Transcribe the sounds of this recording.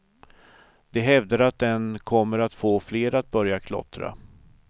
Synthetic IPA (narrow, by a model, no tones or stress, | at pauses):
d̪ɛɦɛvd̪əɾat̪̚d̪ɛnkʰɔmːəɾat̪foːfleːɾat̪̚bœɾjakʰlɔ̰t̪ɾa̰